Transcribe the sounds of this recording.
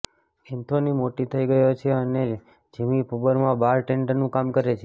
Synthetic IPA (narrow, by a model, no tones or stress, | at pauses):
ɛnt̪ʰonimoʈit̪ʰəiɡəjot͡ʃʰeəne | d͡ʒəmipuʋəɾmãbaɾʈẽɳɖənũkamkəɾet͡ʃʰe